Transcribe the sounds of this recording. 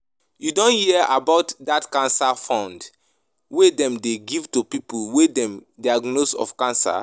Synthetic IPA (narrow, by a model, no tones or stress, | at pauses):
judõnhiɛʔabaʊtdatkãnsafãʊ̃nd | wedɛ̃mdeɡivtupipulwedɛ̃mdiaɡnosɔ̰fkãnsa̰